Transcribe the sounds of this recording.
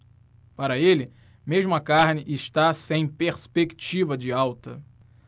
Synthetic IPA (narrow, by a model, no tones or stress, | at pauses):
paɾɐelɪ | meʒmʊɐkaɾnɪʔɪʃt̪asẽj̃peɾspekt͡ʃivɐd͡ʒɪawt̪ɐ̰